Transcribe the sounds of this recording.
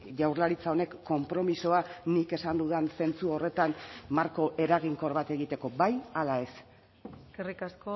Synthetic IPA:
ʝawɾlaɾit͡sao̞ne̞kːo̞mpɾo̞miso̞anike̞sand̪uðense̞nt͡suo̞re̞t̪anmaɾko̞ʔe̞ɾaɣ̞iŋko̞ɾβat̪e̞ɣ̞it̪e̞ko̞bajalae̞s | kerikasko

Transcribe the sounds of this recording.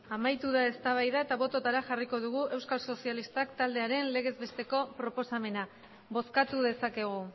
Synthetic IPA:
amajt̪uð̞ae̞st̪aβ̞ajðae̞t̪aβ̞o̞t̪o̞t̪aɾaʝariko̞ð̞uɣ̞uʔe̞wskalso̞sialist̪akt̪ald̪e̞aɾe̞nle̞ɣ̞e̞zβe̞st̪e̞ko̞pɾo̞po̞same̞na | βo̞skat̪uðe̞sake̞ɣ̞u

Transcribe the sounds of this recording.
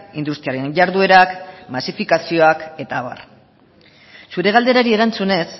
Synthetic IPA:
ind̪ust̪iaɾe̞nʎaɾðue̞ɾakmasifikasio̞ake̞t̪aβa̰r | suɾe̞ɣ̞ald̪e̞ɾaɾie̞ɾant͡sune̞s

